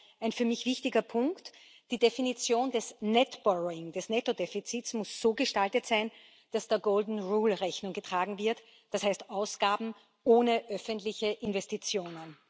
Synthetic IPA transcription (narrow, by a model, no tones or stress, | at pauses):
ʔæɪnfyːɐmɪçv̥ɪçtɪɡɐpʰʊŋkt | d̥iːdefinit͡sjoːndɛsnɛtb̥ɔʁoɪŋd̥ɛsnɛtodefit͡siːtsmʊsz̥oːɡəʃtaltətsæɪn | d̥asd̥eːɐɡoːldn̩ʁuːlʁɛçnʊŋɡətʁ̥aːɡŋ̩vɪɐt | d̥ashæɪstaʊsɡ̥aːbm̩ | ʔoːnəʔœfəntlɪçəʔɪnvɛstit͡sjoːnən